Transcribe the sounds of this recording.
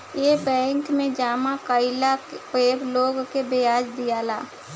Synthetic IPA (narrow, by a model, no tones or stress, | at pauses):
jebɛ̃ːŋkmẽd͡ʒaːmakəɪlapeːbloːɡkebejaːd͡ʒd̪ijaːla̰ː